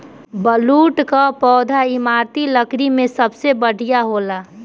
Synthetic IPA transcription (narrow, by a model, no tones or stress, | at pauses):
bəluːʈkapɔːd̪ʱaɪmaːɾt̪iləkɾimẽsəbsebəɽʱijaɦoːlaː